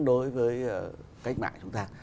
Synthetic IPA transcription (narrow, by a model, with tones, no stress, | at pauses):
ɗo˨˦jvəː˨˦jə˨˩ | ka˦˥jk̚ma̰ː˧˨nt͡ɕʊ˨˦ŋ͡mt̪aː˧